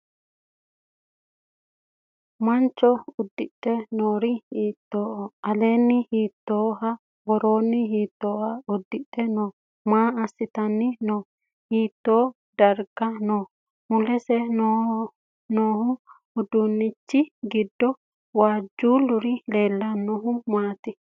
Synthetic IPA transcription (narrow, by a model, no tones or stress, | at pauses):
mɐnt͡ʃːɔʊd̪ːɪt̪ːɛnoːɾɪiːt̪ːoːʔɔɐleːnːɪhiːt̪ːo̞ːɦɐ | ɡɔɾoːnːɪɦiːt̪ːoːhɐʊd̪ːɪt̪ːɛnoː | maːɐsːɪt̪ɐnːɪnoː | hiːt̪ːoː | d̪ɐɾɡɐnoː | mʊlɛsɛno | noːhʊː | d̪ʊnːɪt͡ʃːɪɡɪd̪ːɔ | waːd͡ʒːuːlʊɾɪle̞ːlːɐnːɔɦʊmaːt̪ɪ